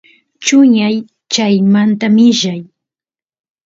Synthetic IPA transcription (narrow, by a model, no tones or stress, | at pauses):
t͡ʃʊɲaj | t͡ʃajmant̪amɪʒaj